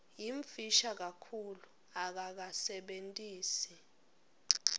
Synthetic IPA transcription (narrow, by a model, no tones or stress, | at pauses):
jiɱfiʃak̬akʰulu | ak̬ak̬asɛɓentʼiːsi